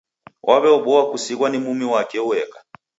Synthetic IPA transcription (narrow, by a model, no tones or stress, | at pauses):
wʔaβɛɔɓɔwakusiɣwanimumiwakɛuɛka